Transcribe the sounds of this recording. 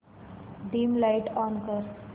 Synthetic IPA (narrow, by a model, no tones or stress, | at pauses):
ɖiːmlaɪʈɔ̃ːnkəɾ